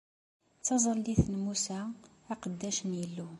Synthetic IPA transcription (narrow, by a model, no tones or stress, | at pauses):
t͡sːɑzˤəlːiθnmusæː | qəd̪ːæʃənjəlːu